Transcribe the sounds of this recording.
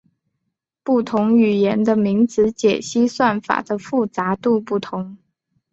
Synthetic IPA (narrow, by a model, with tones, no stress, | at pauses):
pu˥˩t̪ʰʊ˧˥ŋy˨˩jɛ˧˥nd̪ə˧mi˧˥ŋt͡sɹ̩˧˥t͡ɕjɛ̰˨˩ɕi˥swa˥˩nfa̰˨˩d̪ə˦fu˥˩t͡sa˧˥t̪u˥˧pu˥˩t̪ʰʊ˧˥ŋ